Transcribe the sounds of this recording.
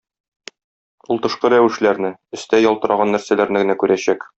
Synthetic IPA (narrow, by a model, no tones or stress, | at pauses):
ulˠt̪ɤ̆ʃqɤɾæwɘ̆ʃlæɾnɘɵ̆st̪æjɒlˠt̪ɤ̆ɾɑʁɑnːæɾsælæɾnɘɡɘ̆nækʉɾʔæɕæk